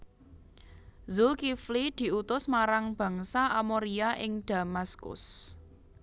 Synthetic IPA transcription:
zʊlkiflid̪̥i̤ut̪ʊsmaɾaŋb̥ä̤ŋsaamoɾiaʔɪŋd̪̥a̤maskʊ̰s

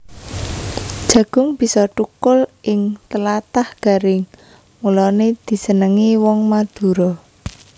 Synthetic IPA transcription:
d̥ʒ̥ä̤ɡ̥ʊ̤ŋb̥i̤sɔʈukʊlʔɪŋt̪əlat̪ahɡ̥a̤ɾɪŋ | mulɔned̪̥i̤sənəŋiwɔŋmad̪̥ṳɾɔ

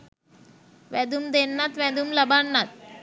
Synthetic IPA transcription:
ʋɛd̪umd̪enːat̪ʋɛ̃d̪umləbaɳːat̪̚

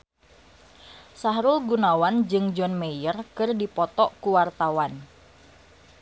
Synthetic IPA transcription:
saɦɾʊlɡunawand͡ʒɨŋd͡ʒɔnmejərkɨrdipɔt̪ɔʔkuwart̪awan

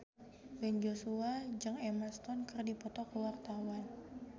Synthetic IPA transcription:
bɛnd͡ʒosuad͡ʒɨŋɛmast̪ɔnkərdipɔt̪ɔkəwart̪awan

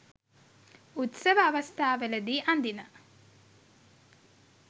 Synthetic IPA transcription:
ut̪səʋəːʋɐst̪ʰaːʋeləd̪iʔand̪inə

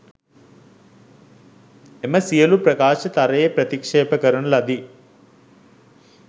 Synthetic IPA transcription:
emɐsijɐlupɾɐkaːʃɐt̪ɐɾɐjepɾɐt̪ikʂɛːpɐkɐɾɐnlɐd̪i

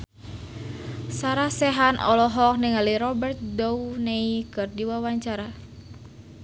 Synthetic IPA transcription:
saɾasɛɦanʔɔ̰lɔɦɔk̚niŋaliɾɔbərt̪̚downeikɨrdiwawaɲt͡ʃaɾa

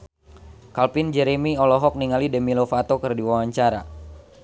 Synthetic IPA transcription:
kalpind͡ʒɛɾemiɔlɔɦɔk̚niŋalidəmilofat̪okɨrdiwawaɲt͡ʃaɾa̰

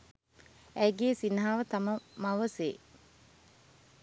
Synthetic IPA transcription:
æɡeːsinɦaːʋət̪aməmaʋəseː

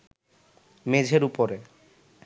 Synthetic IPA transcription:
med͡ʑʱeɾupoɾe

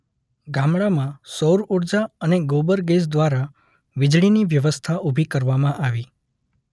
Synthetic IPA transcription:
ɡamɭamãsoɾoɽd͡ʒaəneɡobəɾɡes̬d̪ʋaɾa | ʋɪd͡ʒɭiniʋjəʋəst̪ʰaʔubʱikəɾʋamãʔaʋi

